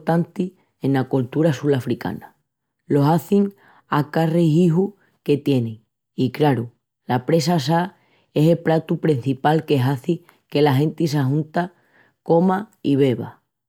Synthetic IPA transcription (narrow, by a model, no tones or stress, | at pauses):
t̪ant̪i | ẽnːakult̪uɾasulafɾika̰na | lo̞saθiŋ | akareɦiɦu | ke̞t̪je̞nẽ | ikɾaɾu | lapɾe̞sasa | e̞se̞lpɾat̪upɾien̟θipalke̞ɦaθi | ke̞laɦe̞nt̪is̬aɦũnt̪a | ko̞maiβ̞e̞βa̰